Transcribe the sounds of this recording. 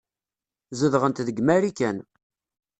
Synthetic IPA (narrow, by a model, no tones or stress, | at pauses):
zəðʁənt̪ðəɡmæɾikæn